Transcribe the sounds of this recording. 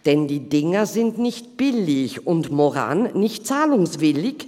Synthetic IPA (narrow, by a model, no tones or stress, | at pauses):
d̥ɛndiːdɪŋɐzɪntnɪçt̚b̥ɪlɪçʊntmoʁa̰ːnnɪçtt͡saːlʊŋsv̥ɪlɪç